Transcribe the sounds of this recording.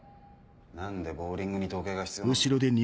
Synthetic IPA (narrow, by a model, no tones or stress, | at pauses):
nãnd̪e̞bo̞ːɾʲĩŋɡɯ̟ɲ̟it̪o̞ːke̞ːɡaçi̥t͡sɨioɯɕiɾo̞d̪e̞ɲ̟ʲi